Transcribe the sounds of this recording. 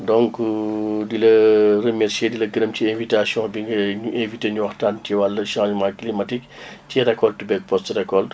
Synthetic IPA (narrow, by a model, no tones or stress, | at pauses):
dɔ̃ŋk | dilɐrəmɛɾseːdilɐɡəɾɐmciɛ̃ːvitasjɔ̃biŋɡɐɲuʔẽviteːɲuwɐxtaːntiwalːɐʃãʒmaklimɐtikciɾɛkɔltubɛɡ̚pɔstrɛkɔlt